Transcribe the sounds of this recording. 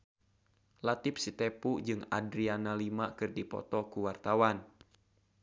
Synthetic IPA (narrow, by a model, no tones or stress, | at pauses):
lat̪ɪpsit̪epud͡ʒɨŋa̰dɾianalimakɨrdipɔ̰t̪ɔkuwart̪awan